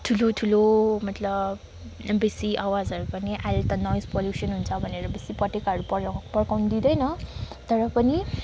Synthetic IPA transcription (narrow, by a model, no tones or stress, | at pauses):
t̪ʰulot̪ʰulomʌt̪lʌb | besiʔawad͡zʌɾupʌniʔalt̪ʌnʌjspoljusʌnɦunt͡sʰʌbʱʌneɾʌbesipʌʈekɦʌɾupʌpʌrkawnid̪id̪ʌjnʌ | t̪ʌɾʌpʌni